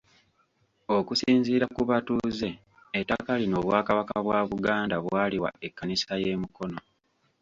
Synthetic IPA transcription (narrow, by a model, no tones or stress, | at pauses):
o̞kusiːnziːɾakuβatuze̞ː | tːakalino̞ːβwaːkaβakaβwaːβuɡaːndaβwaːliwa̰ekːanisaje̞ːmuko̞no̞